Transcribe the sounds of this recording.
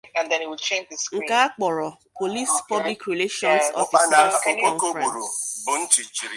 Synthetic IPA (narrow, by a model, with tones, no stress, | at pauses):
ã˨ndɛ̃ni˨wi˨lt͡ʃẽ˦nd͡ʒdɪ˨skŋ̩˨ĩka˦a˦k͡pɔ˨ɾɔ˨po˨li˦spɔ˦bli˦kɾi˨le˦ʃɔ̃˦nsɔ̰˨˦a˨na˨o˨kõ˦ŋko˦ɾu˨ɾo˨bʊ˨n̩˦t͡ʃi˨t͡ʃi˨ɾi˨